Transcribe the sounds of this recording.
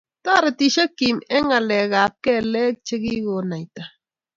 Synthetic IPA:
ta˦˨ɾa˨ti˨ʃa˦ki˨mɛ˦ŋa˨lɛ˨ɣa˨p̚kɛ˦˨lɛ˦k̚t͡ʃe˦ɡi˦ɡo˨na˨jta˨

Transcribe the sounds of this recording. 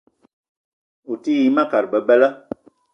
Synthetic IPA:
u˨ti˦ji˨˦mã˦˨ka˨ɾbə˨bɛ˦lə˦

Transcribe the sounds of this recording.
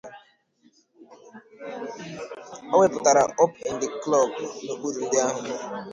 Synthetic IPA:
ɔ˦wɛ˦pʊ˨ta˨ɾa˨ʔɔ˦pɛ˨ndɪ˨klɔ˦˨b̚no˨ku˦du˨dɪ˦a˦ɦʊ˨

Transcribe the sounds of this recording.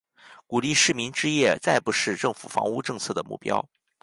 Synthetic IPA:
ku˨˩li˥˧ʂɻ̩˥˩mi˧˥ŋʈ͡ʂɻ̩˥jɛ˥˩t͡sa˥ɪpu˧˩ʂɻ̩˥˧ʈ͡ʂɤ˥˩ŋfṵ˨˩fɑ̰˧˥ŋu˥˧ʈ͡ʂɤ˥˧ŋt͡sʰɤ˥˩d̪ə˩mṵ˥˩pjɑ̰˥ʊ

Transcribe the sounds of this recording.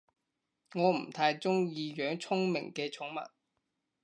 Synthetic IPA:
ŋɔː˨˧m̩˨˩t̪ʰaː˧jt͡ʃʊ˥ŋjiː˧jœː˨˥ŋt͡sʰʊ˥ŋmɪ̰˨˩ŋkɛː˧t͡sʰʊ˨˥ŋmɐ̰˨˩t̚

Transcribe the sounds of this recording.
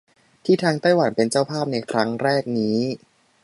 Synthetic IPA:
t̪ʰiː˥˩t̪ʰaː˧ŋt̪a˥˩jwa˨˦npe˧nt͡ɕa˥˩wpʰaː˥˩p̚na˧jkʰɾa˦˥ŋɾɛː˥˩k̚niː˦˥

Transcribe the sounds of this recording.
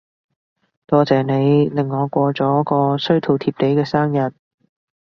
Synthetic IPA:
t̪ɔː˧t͡sɛː˨ne˨˧jlɪ˨˩ŋːɔː˨˧kʷɔː˧t͡sɔː˨˥jkɔː˧sɵ˥ɥt̪ʰo˨wt̪ʰiː˧p̚t̪e˨˥jkɛː˧saː˥ŋjɐ˨˩t̚

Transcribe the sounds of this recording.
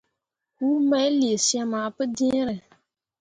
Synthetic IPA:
hu˦ma˦jli˨e˨si˦a˦maː˨pɨ˦dĩ˦ɾɛ˨

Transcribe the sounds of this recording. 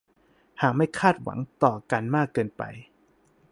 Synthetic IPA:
haː˨˩k̚ma˥˩jkʰaː˥˩t̪̚wa̰˩˦ŋt̪ɔː˨˩ka˧nmaː˥˩kːɤː˧npa̰˧j

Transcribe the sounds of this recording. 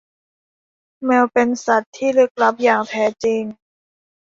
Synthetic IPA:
mɛː˧wpe˧nsa˨˩t̪ʰːiː˥˩lɯ˦˥k̚la˦˥p̚jaː˨˩ŋt̪ʰɛː˦˥t͡ɕi˧ŋ

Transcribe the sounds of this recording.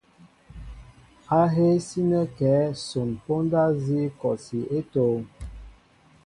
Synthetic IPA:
a˦ɦe˦si˦nə˦kɛː˨˦so˨npo˦nda˦zi˦kɔ˨si˨e˦toː˨˦ŋ

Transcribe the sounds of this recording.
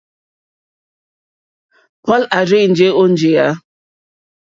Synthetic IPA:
pɔ˦la˨ɾɪ˦˨n̩˨d͡ʒe˦o˦n̩˦d͡ʒe˨ja˦

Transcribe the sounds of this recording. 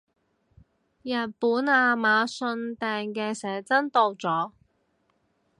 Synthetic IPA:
jɐ˨˩t̚puː˨˥naː˧maː˨˧sɵ˧nt̪ɛː˨ŋkɛː˧sɛː˨˥t͡sɐ˥nt̪o˨˧wt͡sɔː˨˥

